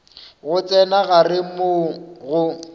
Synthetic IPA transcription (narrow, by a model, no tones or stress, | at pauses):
ɣʊt͡sʼɛnaɣarɪmʊɣʊ